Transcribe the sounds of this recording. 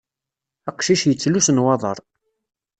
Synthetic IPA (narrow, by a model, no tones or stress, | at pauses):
æqʃiʃjət͡sːlusnwɑðˤə̰ɾˤ